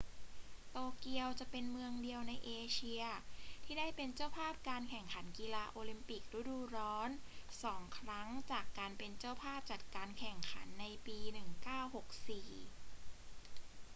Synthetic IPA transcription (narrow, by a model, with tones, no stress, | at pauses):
t̪oː˧ki˧əwt͡ɕa˨˩ʔpe˧nmɯ˧əŋdi˧əwna˧jʔeː˧t͡ɕʰi˧ɐt̪ʰiː˥˩daː˥˩jpe˧nt͡ɕa˥˩wpʰaː˥˩p̚kaː˧nkʰɛ˨˩ŋkʰa˩˦nki˧laː˧ʔoː˧li˧mpi˨˩k̚ɾu˦˥˩duː˧ɾɔː˦˥nsɔː˩˦ŋkʰɾa˦˥ŋt͡ɕaː˨˩kːaː˧npe˧nt͡ɕa˥˩wpʰaː˥˩p̚t͡ɕa˨˩t̪̚kaː˧nkʰɛ˨˩ŋkʰa˩˦nːa˧jpiː˧nɯ˨˩ŋkaː˥˩who˨˩k̚siː˨˩